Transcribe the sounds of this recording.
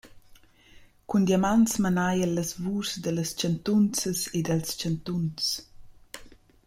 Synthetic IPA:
kund̪jamant͡smanajəlːəzvuːsd̪ələst͡ʃant̪unt͡səsed̪alst͡ʃant̪unt͡s

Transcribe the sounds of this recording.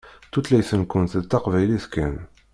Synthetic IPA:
t̪ut̪læjθənkʊnt̪ət̪ːɑqvæjliθkæ̰n

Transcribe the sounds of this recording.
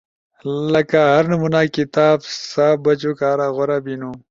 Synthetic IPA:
lɐkaɦɐɾnumunaːkit̪aːbsaːfbɐt͡ʃokaːɾaːɣoɾaːbinuː

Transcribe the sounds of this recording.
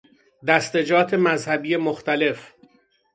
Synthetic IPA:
d̪æst̪e̞d͡ʒɒːt̪ʰe̞mæzhæbiːjemoxt̪æle̞f

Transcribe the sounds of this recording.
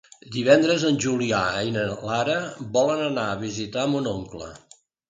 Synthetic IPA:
d̪iβɛnd̪ɾəzənʲʒuliaɛjnəlaɾəβɔlənənaəβ̞izit̪amunoŋklə̰

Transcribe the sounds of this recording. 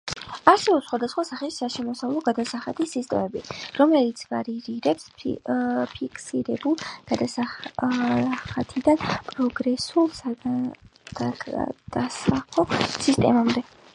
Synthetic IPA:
aɾsɛbɔpsχwad̪asχwasaχiʃːaʃɛmɔsavlˠɔɡad̪asaχat̪ʰisist̪ʼɛ̰mɛbiɾɔmlɛlit̪sʰv̥aɾiɾiɾɛps | pʰikʰsiɾɛbulˠɡ̥ad̪asa | χat̪ʰid̪anpʼɾɔɡɾɛsulˠsa | d̪̥ad̪̥asaχɔsist̪ʼɛ̰mamd̪ɛ

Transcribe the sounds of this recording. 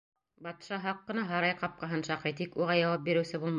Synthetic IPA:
bɑt̪ʃɑɦɑqːɤ̆nɑɦɑɾɑjqɑp̚qɑɦɤnʃɑqɤjt̪ikuʁɑjɑwɑp̚biɾɘ̆wsɘbulˠmɑ

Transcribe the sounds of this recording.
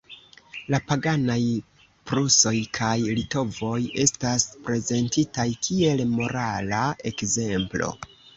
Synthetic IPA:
lapaɡanaj | pɾuso̞jkʰajlito̞vo̞je̞staspɾe̞ze̞ntitajkʰie̞lmo̞ɾalaʔe̞kze̞mplo̞̰

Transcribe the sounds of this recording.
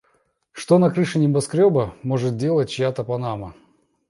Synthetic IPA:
ʂt̪onɐkɾɨʂɨnʲɪbɐskɾʲobəmoʐɨt̪̚dʲe̞lˠətʲt͡ɕjat̪əpɐnamə

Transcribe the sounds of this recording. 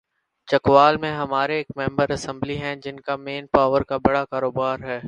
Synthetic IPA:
t͡ʃɐkʋaːlmẽɦɐmaːɾeːkmɛ̃ːmbəɾɐsɛ̃mbliɦɛ̃d͡ʒɪnkameːnpaːʋəɾkabɐɽakaːɾoːbaːɾɦɛː

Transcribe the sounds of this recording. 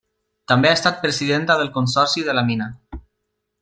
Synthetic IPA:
t̪ambeast̪at̪̚pɾəsiðent̪aðəlˠkunsɔɾsiðəlamina

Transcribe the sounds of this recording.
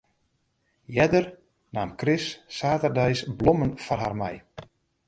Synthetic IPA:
jɛdər | naːmkrɪsːaːtərdɛjsblomənfɔrɦarmɛ̰j

